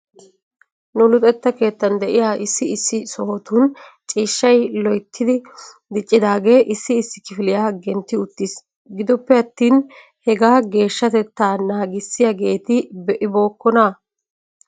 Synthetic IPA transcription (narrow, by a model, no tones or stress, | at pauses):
nʊlʊt̪ʼɛt̪ːɐke̞ːt̪ːɐnd̪ɛʔɪjaːʔɪsːɪɪsːɪsɔhɔt̪unt͡ʃʼiːʃːɐjlɔjt̪ʰːɪd̪ɪ | d̪ɪt͡ʃʼːɪd̪aːɡe̞ːʔɪsːɪːsːɪ̥kɪfɪlɪjaːɡɛnt̪ːɪʊt̪ːɪs | ɡɪd̪ɔpːɛɐt̪ːiːn | hɛɡaːɡe̞ːʃːɐt̪ɛt̪ːaːnaːɡɪsːɪjɐɡe̞ːt̪ɪbɛʔɪbo̞ːkːɔna